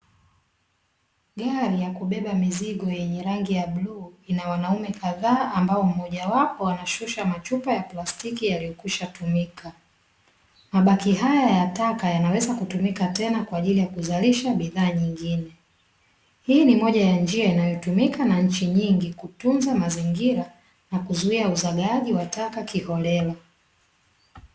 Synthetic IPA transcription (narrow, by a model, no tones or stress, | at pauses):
ɠaɾijakuɓɛɓamiziɠɔjɛɲɛɾaŋɡijaɓluːinawanaumɛkaðaːambaɔm̩hɔʄawapɔwanaʃuʃamat͡ʃupajaplastikijalijɔkuʃatumikʰa | maɓakiɦajajatakajanawɛzakutumikatɛnakwaːʄilijakuzaliʃaɓiðaːɲiŋɡinɛ | hiːnimɔʄajand͡ʒiainajɔtumikanaɲ̩t͡ʃiɲiŋɡikutunzamaziŋɡiɾa | nakuzuiauzaɠaʄiwatakakihɔlɛla